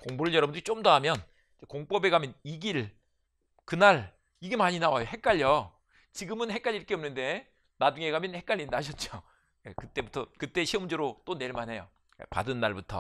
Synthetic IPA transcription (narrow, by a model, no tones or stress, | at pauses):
koŋbuɾɯɭjʌɾʌbɯndɯɾit͡ɕ͈omdaɦamjʌn | ekoŋp͈ʌbe̞ɡamjʌniɡiɭ | kɯnaɭ | iɡe̞maɲinawajohe̞k͈aʎjo | t͡ɕiɡɯmɯnhe̞k͈aʎːiɾkʰeʌmnɯnde̞ | nad͡ʑuŋe̞ɡamjʌnhe̞k͈aʎːinaɕʰʌt̚t͡ɕ͈o | jekɯt͈e̞butʰʌkɯt͈e̞ɕʰiʌmud͡ʑeɾot͈one̞ɭmanɦe̞jo | epa̰dɯnːaɭbutʰʌ̰